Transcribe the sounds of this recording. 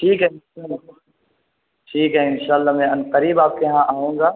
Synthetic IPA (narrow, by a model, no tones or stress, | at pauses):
ʈʰiːkɦɛɪnʃaːla | ʈʰiːkɦɛɪnʃaːlːamɛ̃ɐnqəɾiːbaːp̚keɦãʔaːɦũːŋɡaː